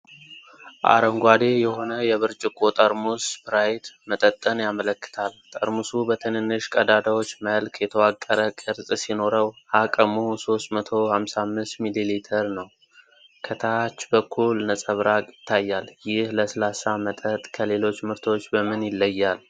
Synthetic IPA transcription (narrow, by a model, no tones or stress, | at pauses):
ʔa̰ɾəŋɡʷad̪e̞jɛho̞nəjɛβɨɾt͡ʃʼɪkʰʼot̪ʼəɾmusbɾajt̪mət̪ʼət̪ʼːənjamələkːɨ̥t̪ʰalt̪ʼə̰ɾmusubət̪ʰɨnɨnːɨʃkʼəd̪ad̪awo̞t͡ʃːməlkʰjɛt̪ʰəwakʼːəɾəkʼːəɾsʼsino̞ɾəwakʼəmuso̞st̪mət̪ʰohamsamːɨst̪mililit̪ʰəɾnəw | kʰət̪ʰat͡ʃːbəkʰːulnəsʼəβɾakʼjɪt̪ʰːajːaljɪhləsəlasamət̪ʼət̪ʼkʰəle̞lo̞t͡ʃːmɨɾt̪ʰo̞t͡ʃːbəmɨnjɪlːəjːal